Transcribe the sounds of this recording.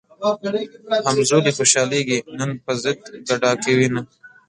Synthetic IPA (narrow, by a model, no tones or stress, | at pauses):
hɐmzoːlixoːʃɑːleɡinɐnpəzɪd̪̚ɡɐɖaːkewina